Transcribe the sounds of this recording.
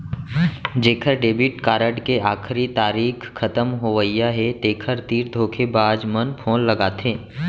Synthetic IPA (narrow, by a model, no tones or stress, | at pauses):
d͡ʒeːkʰəɾɖeːbɪʈkaːɾəʈkeaːkʰɾit̪aːɾiːkʰːɐt̪əmɦoːʋəijaɦɛt̪eːkʰəɾt̪iːɾd̪ʱoːkʰebaːd͡ʒmənpʰõːlːəɡaːt̪ʰeː